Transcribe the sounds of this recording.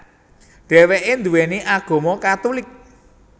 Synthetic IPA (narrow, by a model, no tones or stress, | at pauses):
ɖ̥ɛ̤weʔend̪uweniʔaɡ̥o̤mɔkat̪ulɪk̚